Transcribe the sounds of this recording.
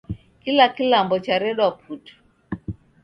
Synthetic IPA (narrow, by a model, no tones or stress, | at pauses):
kilakilambɔt͡ʃaɾɛɗwapʰutu̥